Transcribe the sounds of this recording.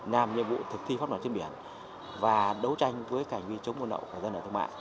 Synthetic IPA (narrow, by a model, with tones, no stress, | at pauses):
naː˨˩mɲɨ̰˨mvṵ˧˨t̪ʰɨ˨˩k̚t̪ʰi˧fa˦˥ma˨˧˩t͡ɕnɓi˧˩ən | vaː˨˩ɗə˨˦wt͡ɕa˧jŋ̟vəː˨˦jkaː˧˩ŋvi˧t͡ɕə˨˦wmʔu˧nɗə̰˧˨wka˧˩zə˧nʔəː˧˩t̪ʰə˧ŋ͡mma̰ː˧˨j